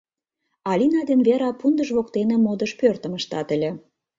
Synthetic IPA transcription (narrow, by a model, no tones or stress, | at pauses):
ɑlʲinɑd̪enβeɾɑpund̪əʒβokt̪enemod̪əʃpørt̪ə̆məʃt̪ɑt̪ə̆lʲĕ